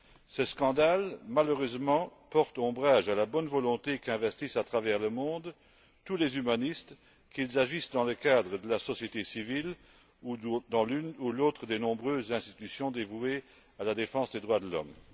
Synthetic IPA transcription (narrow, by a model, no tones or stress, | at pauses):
səskɑ̃d̪almaløʁøzmɑ̃pɔʁt̪ɔ̃bʁaʒalabɔnvɔlɔ̃t̪ekɛ̃vɛst̪isat̪χavɛʁləmɔ̃d̪ | t̪ulezymanist̪ | kilzaʒisd̪ɑ̃ləkad̪ʁəd̪əlasɔsjet̪esivil | d̪ɑ̃lynuloːt̪χəd̪enɔ̃bʁøːzːɛ̃st̪i̥t̪ysjɔ̃d̪evue | alad̪efɑ̃sd̪ed̪ʁwad̪əlɔ̰m